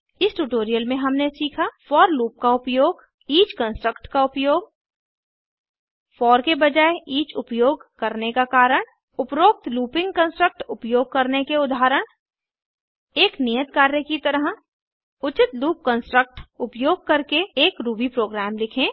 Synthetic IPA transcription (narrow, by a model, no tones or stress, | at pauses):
ɪsʈuʈoːɾijəlmẽɦɐmnesiːkʰafɔːɾluːp̚kaʊpjoːɡ | iːt͡ʃkə̃nsʈɾəkʈkaʊpjoːɡ̚ | fɔːɾkebɐd͡ʒaːeʔiːt͡ʃʊpjoːɡkɐɾnekakaːɾəɽ̃ | ʊpɾoːk̚t̪luːpɪ̃ŋɡ̚kə̃nsʈɾək̚ʈʊpjoːɡ̚kɐɾnekeʊd̪ʱaːɾəɽ̃ | eːknijət̪̚kaːɾjəkit̪ɐɾəɦ | ʊt͡ʃɪt̪luːp̚kə̃nsʈɾək̚ʈʊpjoːɡ̚kɐɾkeeːkɾuːbipɾoːɡɾæːmlɪkʰẽ